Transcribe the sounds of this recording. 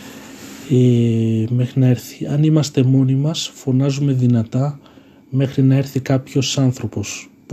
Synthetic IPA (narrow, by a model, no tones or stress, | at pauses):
emexɾinɐeɾθiɐnimɐst̪e̞mo̞nimɐsfo̞nɐzume̞ðinɐt̪ɐ | me̞xɾinɐe̞ɾθikɐpço̞sɐnθɾo̞po̞s